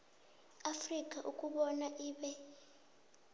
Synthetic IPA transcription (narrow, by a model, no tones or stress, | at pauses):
afrikʼaʔukʼuɓɔnaʔiːɓɛ